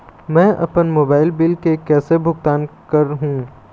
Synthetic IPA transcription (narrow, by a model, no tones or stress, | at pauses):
mɛ̃ːʔɐ̰pənmoːbaːɪlbɪlkekɛːsebʱʊɡt̪aːnkəɾɦũː